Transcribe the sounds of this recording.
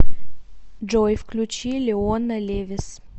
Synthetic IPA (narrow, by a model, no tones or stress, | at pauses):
d͡ʒojfklʲut͡ɕilʲɪonəlʲevʲɪs